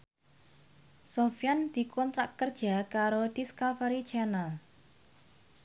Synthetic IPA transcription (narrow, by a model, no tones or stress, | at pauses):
sofjand̪̥i̤kʰɔnt̪ɾaʔkərd̥ʒ̥a̤kaɾod̪̥iskafɛɾit͡ʃɛnal